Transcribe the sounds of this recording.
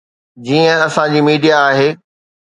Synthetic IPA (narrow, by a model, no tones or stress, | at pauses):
d͡ʑiːə̃ɐsãd͡ʑiːmiːɖijaːɦeː